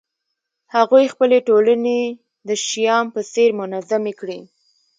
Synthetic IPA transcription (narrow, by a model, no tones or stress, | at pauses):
haɣujxpəleʈolane | d̪əʃijɑmpəseɾmʊnazamekɽi